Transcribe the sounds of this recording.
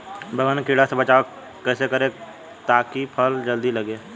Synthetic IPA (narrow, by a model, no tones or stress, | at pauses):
bʱəɡənkiɽasebət͡ʃaːo | kɛːsekəɾẽ | t̪aːkipʰəld͡ʒəld̪iləɡeː